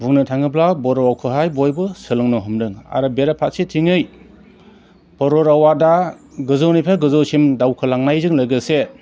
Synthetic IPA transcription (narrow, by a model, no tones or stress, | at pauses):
bʱuŋnɯtʰaŋɯblabɔɾɔwawkʰɯɦajbɔjbɯsɯlɯŋnɯɦɯmdɯŋa̰ɾɯbeɾapʰat̚sitʰiŋɯj | bɔɾɔɾawadaɡɯzɯwnipʰaɡɯzɯwsimdawkʰɯlaŋnajzɯŋlɯjɡɯse